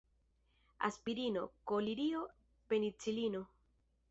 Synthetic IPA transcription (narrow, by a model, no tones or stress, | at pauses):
a̰spiɾino̞̰koliɾio̞ | pe̞nit͡silino̞